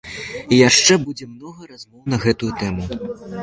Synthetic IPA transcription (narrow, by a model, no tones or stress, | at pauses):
ijaʂt͡ʂɛbud͡zʲɛmnɔɣɐrazmɔwn̪ɐɣɛt̪ujut̪ɛmu